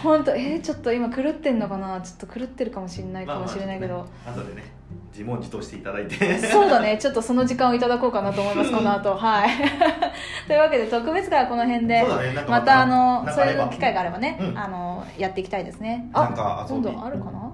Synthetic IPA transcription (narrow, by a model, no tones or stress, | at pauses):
hõ̞nt̪oet͡ɕo̞t̪ːoimakɯ̟ɾɯ̟t̪ːe̞nːo̞kanat͡ɕo̞̥t̪ːokɯ̟ɾɯ̟t̪ːe̞ɾɯ̟kamo̞ɕinːaikamo̞ɕiɾe̞naike̞d̪o̞ | od̪ee | d͡ʑimõɲd͡ʑi̥t̪oːɕi̥t̪eit̪ad̪ait̪eso̞ːd̪ane̞t͡ɕo̞t̪ːo̞so̞no̞ʑikãɰ̃oit̪ad̪ako̞ːkanat̪oːmoimasɨ̥kanat̪o̞ɦai | t̪o̞jɯ̟βake̞d̪e̞t̪o̞kɯ̟be̞t͡sɨɡako̞no̞ɦẽ̞nd̪e̞d̪aneãkmat̪aːno̞soɾenokʲi̥kaiɡaːɾe̞bane̞ano̞jat̪ːe̞ikʲit̪aid̪e̞sɨne̞ad̪õnd̪õ̰aɾɯ̟kana